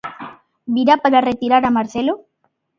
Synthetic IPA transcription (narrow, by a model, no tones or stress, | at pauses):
biɾapaɾaret̪iɾaɾamaɾθelo